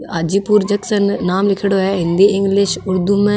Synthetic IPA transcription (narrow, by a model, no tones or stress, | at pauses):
aːd͡ʒiːpuːɾd͡ʒɐksənːaːmlɪkʰɪɽoɦɛɦɪ̃nd̪iɪ̃ŋɡlɪʃʊɾd̪umẽ